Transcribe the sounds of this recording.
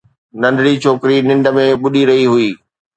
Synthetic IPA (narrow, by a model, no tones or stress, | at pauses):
nɐ̃nɖɽit͡ɕʰoːkɪɾinɪ̃ɳɖə̆mẽɓʊɗiɾɐɦiɦʊiː